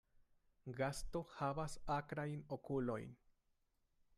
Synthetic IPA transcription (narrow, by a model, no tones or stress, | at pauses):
ɡasto̞havasakɾajno̞kulo̞̰jn